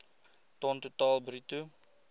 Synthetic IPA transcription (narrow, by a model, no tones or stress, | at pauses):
tɔntutɑːlˠbritu